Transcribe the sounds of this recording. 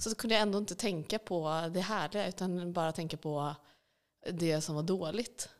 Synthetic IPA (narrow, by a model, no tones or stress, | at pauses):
sɔd̪ɛkʰɵnd̪əjaɛnd̪oɪnt̪ət̪ʰɛŋkapʰɔd̪ɛɦæːɭɪɡaʉ̟ːt̪anbɑːɾat̪ʰɛŋkapʰɔ | d̪ɛsɔmvaɖoːlɪt̪